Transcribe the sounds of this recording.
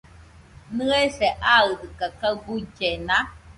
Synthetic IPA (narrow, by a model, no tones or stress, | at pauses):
nɨeseʔaɯd̪ɯkakaɡud͡ʒena